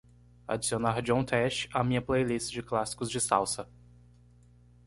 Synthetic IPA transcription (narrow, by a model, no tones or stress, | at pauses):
a̰d͡ʒisionaɾd͡ʒõt̪ʰɛʃt͡ʃamĩɲɐplejlist͡ʃd͡ʒɪklasi̥kʊzd͡ʒɪsa̰wsɐ